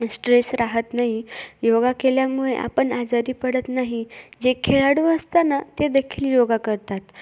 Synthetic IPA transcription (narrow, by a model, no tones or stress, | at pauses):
sʈɾesɾaɦət̪naɦijoɡakeljamuɭeʔa̰pəɳad͡zaɾiːpəɽət̪naɦid͡ʑekʰeɭaɽuəst̪anat̪ed̪əkʰiːljoɡakəɾt̪at̪